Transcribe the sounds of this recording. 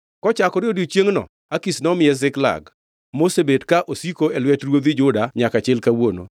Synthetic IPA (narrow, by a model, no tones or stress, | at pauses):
kɔt͡ʃakɔɾɪodit͡ʃjeŋnɔ̰ | akisnɔmɪɛzɪkla̰ɡ | mosebedkaʔosikoelwɛtrwod̪id͡ʒʊdaɲakat͡ʃɪlkawono̰